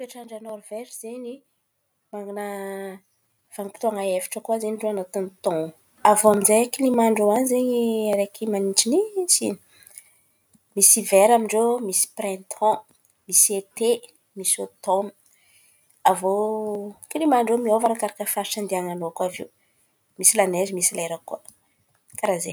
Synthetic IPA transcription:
peʈ͡ʂaɳɖ͡ʐənɔrvɛɾizeɲi | maŋɡuna | v̥aŋipi̥t̪oaŋaefi̥ʈ͡ʂəkuazeɲiɖ͡ʐoanat̪unt̪ɔ̃ | avoaminzeakilimaɳɖ͡ʐoanizeɲiaɾekʰimaniʈ͡ʂinit͡sḭni̥ | misivɛɾamiɳɖ͡ʐomisi̥prɛ̃t̪ʰɔ̃ | misiet̪e | misot̪omi | avo | kilimaɳɖ͡ʐomiovaɾakaɾakəfaɾʈ͡ʂand̪iaŋanokavḛw | misilanezimisilaeɾakua | kaɾaze

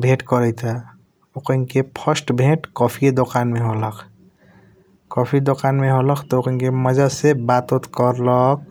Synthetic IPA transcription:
bʱẽʈkɔɾəjt̪ʰa | okənkepʰʌsʈbʱeʈkɔpʰid̪okanmeɦolɔkʰ | kɔpʰid̪okanmeɦolɔkʰt̪ɔokəŋkeməd͡ʒasebat̪ot̪kɔɾlɔk̚

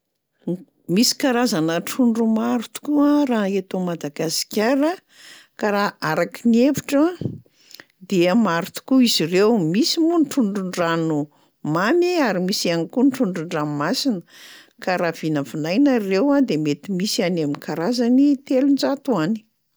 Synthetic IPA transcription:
misi̥kaɾazanəʈ͡ʂuɳɖ͡ʐumaɾut̪u̥kuaraet̪omad̪aɡasi̥kʲaɾə | kaɾaaɾakinievi̥ʈ͡ʂa | d̪iəmaɾut̪u̥kuizirewmisimunʈ͡ʂuɳɖ͡ʐuɳɖ͡ʐanu | mamiaɾimisianikuniʈ͡ʂuɳɖ͡ʐuɳɖ͡ʐanmasinə | kaɾav̥inəfinajnarewad̪emet̪imisianaminkaɾazanit̪elund͡ʒat̪uani̥

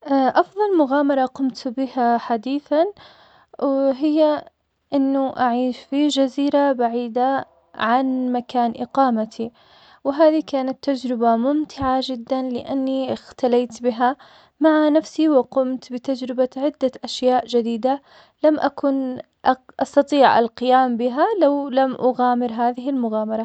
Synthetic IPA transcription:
ʔaʔɑfðˤɑlmʊɣaːmɑɾˤɑqʊmt̪bɪhaħad̪iːθan | wɪɦɪjːa | ʔɪnːʊʔaʕiːʃfid͡ʒaziːɾabaʕiːd̪a | ʕanmakaːnʔɪqɑːmat̪ʰi | wɪɦaːðikaːnat̪ːad͡ʒɾɪbamʊmt̪ʰɪʕad͡ʒɪd̪ːanlɪ̰ʔanːixt̪alaːt̪bɪɦa | maʕanafsiwɪqʊmt̪bɪt̪ad͡ʒɾɪbaʕɪd̪ːaʔaʃjaːʔd͡ʒad̪iːd̪a | lamʔakʊn | ʔʔɑst̪ɑt̪ˤiːʕʔa̰lqɪjaːmbɪɦalawlamʔaɣaːmɪɾɦaːðɪɦɪlmʊɣaːmɑɾˤɑ

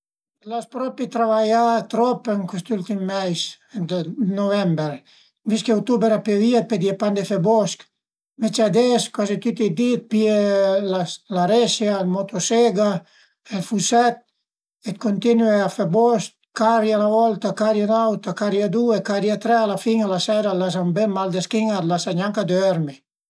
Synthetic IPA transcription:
laspɾɔpit̪ɾavajat̪ɾɔpeŋkwist̪ult̪imːɛjs | d̪novɛmbeɾ | viskeut̪ubɛɾapjeviat̪̚ped̪iepand̪efebɔsk | met͡ʃad̪ɛskwazit̪ut̪id̪it̪̚pielaslaɾɛsjalmot̪oseɡa | elfusɛt̪̚ | et̪kont̪inweafebɔsk | kaɾjalavɔlt̪akaɾjanawt̪akaɾjad̪uekaɾjat̪ɾɛalafiŋalasɛɾalazambemmːald̪eskiŋalasaɲaŋkad̪øɛɾme

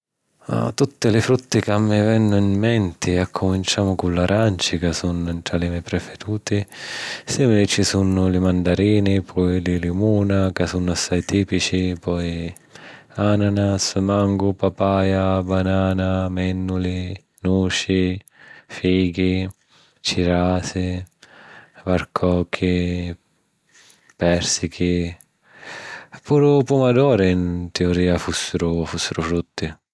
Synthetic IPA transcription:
a̰t̪ːut̪ːɪlɪfɾut̪ːɪkamːɪvɛnːʊinːɛnt̪ɪakʰːʊmint͡ʃaːmʊkʊlːaɾant͡ʃɪkasunʊɪnt̪ɾalɪmɛpɾɛfɛɾuːt̪ɪsɛmɪɾɪt͡ʃːisunʊlɪmand̪aɾiːnɪpʰɔjlɪlimuːnakasunːʊasːajt̪iːpit͡ʃipɔj | ananasmaŋɡʊpapaːjabanaːnamɛnːulɪ | nuːʃi | fiːɡi | t͡ʃiɾaːsɪ | vaɾkʰɔːkʰːɪ | pɛɾsikʰɪ | puːɾʊpumad̪ɔːɾɪint̪eoɾiːafusːɪɾʊfusːɪɾʊfɾut̪ːɪ

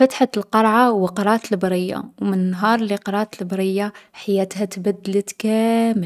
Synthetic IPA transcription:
fæt̪ħalqɑɾˤʕawəqɑɾˤɑt̪lbɾəjːa̰wmənnːɦɑɾˤliqɑɾˤɑt̪əlbɾəjːaħajæt̪hæt̪bæd̪ːələt̪kæmə

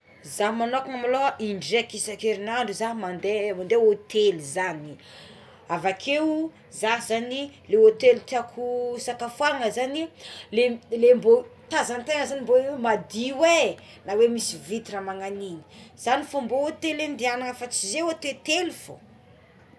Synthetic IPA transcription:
zamanokuŋamaloʔiɳɖ͡ʐekisakeɾinaɳɖ͡ʐuzaɦmand̪emand̪eot̪elizani | avakʰewu | zaɦzanileot̪elit̪iakʰusakafwaaŋəzanilelembot̪azant̪eŋəzanimboemad̪iwe | nawemisivit̪iɾamaŋanini̥z̥anifamboot̪elend̪ianaŋəfat͡sizewat̪et̪elifo̰

